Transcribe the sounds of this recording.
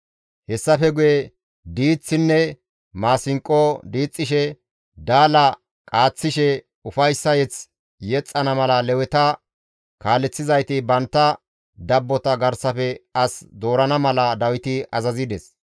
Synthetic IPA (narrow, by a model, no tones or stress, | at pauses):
hɛsːɐfɛɡʊjɛ | d̪iːt͡sːɪnːɛ | maːsɪŋkʼːod̪iːt͡sʼːɪʃɛ | d̪aːlɐ | kʼaːt͡sːɪʃɛ | ʊfɐjsːɐjɛt͡s | jɛt͡sʼːɐnɐmɐlɐlɛwɛt̪ɐ | kaːlɛt͡sːɪzɐjt̪ɪbɐnt̪ːɐ | d̪ɐbːɔt̪ɐɡɐɾsɐfɛɐsd̪o̞ːɾɐnɐmɐlɐd̪ɐwɪt̪ɪʔɐzɐzɪd̪ɛs